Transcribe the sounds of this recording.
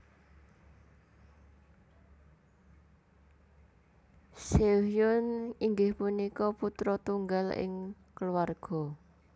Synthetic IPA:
sejʊniŋɡɪhpunikɔput̪ɾɔt̪uŋɡalɪ̰ŋ | kəluarɡ̥ɔ̤

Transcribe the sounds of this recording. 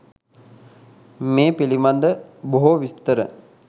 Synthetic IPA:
meːpilimand̪əboɦoʋist̪əɾə̰

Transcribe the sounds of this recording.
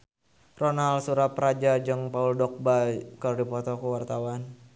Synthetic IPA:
rɔnalsuɾaprad͡ʒad͡ʒɨŋpauldɔk̚bakərdipɔt̪ɔkuwart̪awan

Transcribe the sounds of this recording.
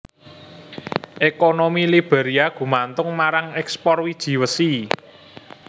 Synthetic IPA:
ʔekonomilib̥e̤ɾiaɡ̥ṳmant̪ʊŋmaɾaŋɛkspɔrwid̥ʒ̥i̤wəsi

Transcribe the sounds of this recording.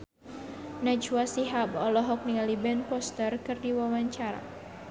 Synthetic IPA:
nat͡ʃuasiɦabɔlɔɦɔk̚nialibɛnpɔst̪ərkɨrdiwawaɲt͡ʃaɾa̰

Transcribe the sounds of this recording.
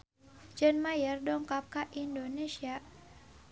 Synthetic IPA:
d͡ʒɛnmajərdɔŋkap̚kaʔindonesia

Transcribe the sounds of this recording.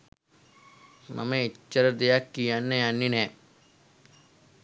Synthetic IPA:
mʔa̰meiːəɾəd̪ejakːijanːəjanːinɛː

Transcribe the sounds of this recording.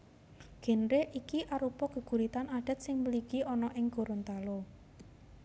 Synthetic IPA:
ɡ̥e̤nɾeʔikiʔaɾupɔkə̤ɡ̥ṳɾit̪anaɖ̥ə̤t̪̚sɪŋməliɡiʔɔnɔʔɪŋɡ̥o̤ɾont̪alo

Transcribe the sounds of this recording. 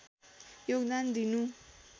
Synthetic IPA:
joɡd̪and̪inu

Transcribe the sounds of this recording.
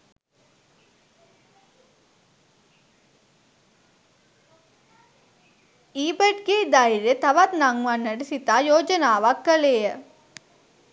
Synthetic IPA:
iːbeʈɡeːd̪ajɾet̪ɐʋɐt̪naŋʋɐnːɐɽisit̪aːjoːd͡ʒɐnaːʋɐkːɐlejə

